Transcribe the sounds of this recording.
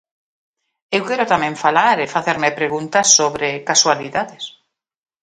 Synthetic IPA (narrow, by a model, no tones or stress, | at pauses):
ewkɛɾot̪amẽɱfalaɾefaθeɾmepɾeɣũnt̪asːoβɾekaswaliðaðes